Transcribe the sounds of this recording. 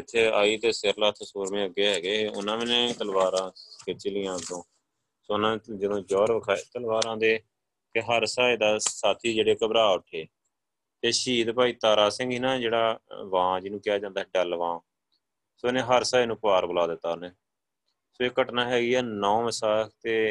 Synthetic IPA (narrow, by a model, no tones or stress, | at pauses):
ɪt̪ʰːeːaːiːt̪eːsɪɾlaːt̪ʰesoːɾmẽːəɡeːɦɛːɡeːʊnãːmɪnẽːt̪əlbaːɾãːket͡ʃiːlɪːãːt̪õː | soːnãːd͡ʒəd̪õːd͡ʒɔːɾʋəkʰaːt̪əlʋaːɾãːd̪eː | keɦəɾsaːeːd̪aːsaːt̪ʰiːd͡ʒeːɽeːkəbɾaːʊʈʰːeː | t̪eːʃiːd̪paːiːt̪aːɾaːsɪ̃ŋɡiːnaːd͡ʒeːɽaːʋãːd͡ʒɪːnũːkɪjaːd͡ʒãːnd̪aːɦɛɖɛlʋãː | soːnẽːɦəɾsaːnũːpʋaːɾbəlaːd̪ɪt̪ːaːneː | soːeːkəʈnaːɦɛːɡiːɛːnɔ̃ːmɪsaːkt̪eː